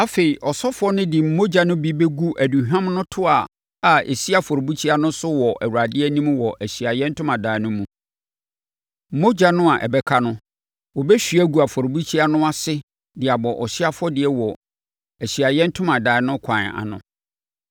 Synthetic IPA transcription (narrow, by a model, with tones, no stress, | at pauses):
a˦fe˨i˨ʔɔ˨sɔ˦fɔ˦nʊ̃˦dɪ˨m̩˦mo˦d͡ʑa˨nʊ̃˦bi˦be˦ɡu˦ʔæ˨du˨ɦã˦mnʊ̃˦tʰʊ˦a˨ | a˨ḛ˨si˦a˨fɔ˨ɾo˨bu˦t͡ɕʰi˦a˦nʊ̃˦sʊ˦wɔ˨ʔæ̰˨wu˨ɾa˨dɪ˦ɛ˦nĩ˦m˦wɔ˨ʔæ˨ɕi˨a˨jɛ̃˦n̩˦tʰʊ̃˦mã˨daː˨˦nʊ̃˦mũ˨˦ | m̩˦mo˦d͡ʑa˦nʊ̃˦a˨ʔɛ̰˨bɛ˦kʰa˦nʊ̃˦ | wɔ˨bɛ˦ɕᶣi˨˦æ˦ɡu˨a˨fɔ˨ɾbu˦t͡ɕʰi˦a˦nʊ̃˦a˨sɪ˦ | dɪ˨a˨bɔ˨ʔɔ˨ɕɪ˦a˦fʊ˦ɔ˦dɪ˨ɛ˦wɔ˨ | æ˨ɕi˨a˨jɛ̃˦n̩˦tʰʊ̃˦mã˨daː˨ɪ˨˦nʊ̃˦kʷʰã˨n˨a̰˨nʊ̰̃˨